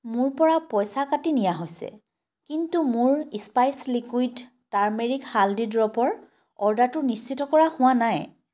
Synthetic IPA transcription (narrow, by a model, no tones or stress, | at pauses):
mʊɹpɔɹapɔjsakatinijaɦojsɛ̰ | kintumʊɹispajslikujd | taɹmeɹikhaldidɹɔpɔɹ | ɔɹdatʊnist͡ʃʰitɔkɔɹahʊwanaj